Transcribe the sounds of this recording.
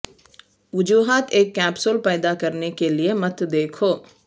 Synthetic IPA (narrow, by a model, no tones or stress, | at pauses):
ʋʊd͡ʒuːɦaːt̪eːkːɛːpsʊlpɛːd̪akɐɾnekeliemɐt̪d̪eːkʰoː